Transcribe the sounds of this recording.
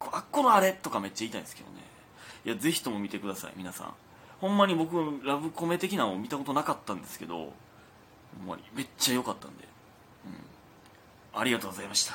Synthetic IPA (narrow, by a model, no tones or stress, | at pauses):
koakːo̞noaɾe̞t̪o̞kame̞t͡ɕːait̪aĩsɨ̥kḛd̪o̰ne̞̰ | iaze̞çi̥t̪o̞mo̞mʲit̪e̞kɯd̪asa̰ḭmʲinasã̰ɴŋ | hõ̞mːaɲ̟ibo̞kɯ̟aɾabɯ̟ko̞me̞t̪e̞kʲinaomʲit̪ako̞t̪o̞nakat̪ːãnd̪e̞sɨ̥ke̞d̪o̞̰ | hõmːa̰ɲ̟ʲḭme̞t͡ɕːajo̞kat̪ːãnd̪e̞̰ | ɯ̟̃ɴ | aɾʲiɡat̪o̞ːɡozaimaɕi̥t̪ḁ